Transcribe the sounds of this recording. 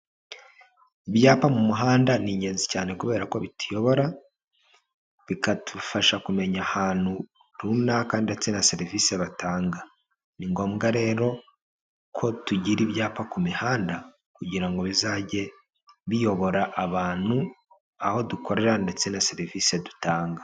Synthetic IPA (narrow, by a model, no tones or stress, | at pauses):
iβjaːpamumuɦaːndaniɲɟe̞ːnzicaːne̞kuβe̞ːɾako̞βitujo̞βo̞ɾa | βikatʰufaʃakume̞ɲahaːnhu | ɾunakaːndiet͡senase̞ɾivise̞βatʰaːŋɡa | niŋɡo̞ːmɡaɾe̞ːɾo̞ | kʰo̞tuɟiɾiβjaːpakumihaːnda | kuɟiɾaŋɡo̞βizaːɟe̞ | βijo̞βo̞ɾaʔaβaːn̥u | aho̞duko̞ɾe̞ɾande̞t͡senase̞ɾivisedutaːŋɡa